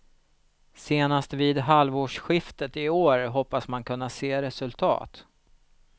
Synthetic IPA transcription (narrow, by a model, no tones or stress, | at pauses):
seːnast̪viːd̪ɦalvoːʂɧɪft̪ət̪ɪoːɾɦɔpːasmankɵnːaseːɾɛsɵlt̪ʰɑ̰ːt̪